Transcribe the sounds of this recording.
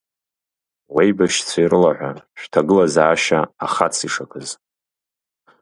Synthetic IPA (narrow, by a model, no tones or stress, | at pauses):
wejbaʃt͡sʷʰairɨlaʕʷaʃᶣtʰaɡɨlazaːʃaaχat͡sʰiʂakʼʰɨz